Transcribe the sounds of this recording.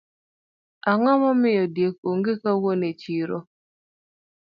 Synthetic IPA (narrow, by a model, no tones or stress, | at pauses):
aŋamɔmɪjɔdjekoŋɡekawonet͡ʃiːɾɔ